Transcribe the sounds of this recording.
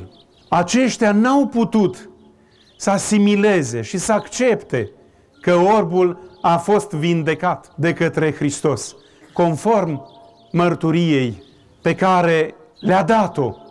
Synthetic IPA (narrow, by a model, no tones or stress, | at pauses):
at͡ʃe̞ʃt̪eanawput̪ut̪ | səasimile̞ze̞ʃisəakt͡ʃe̞pt̪e̞ | kəo̞rbulafo̞st̪vind̪e̞kat̪d̪e̞kət̪ɾe̞xɾist̪o̞s | ko̞nfo̞rmː | ərt̪uɾije̞j | pe̞kaɾe̞ | lead̪at̪o̞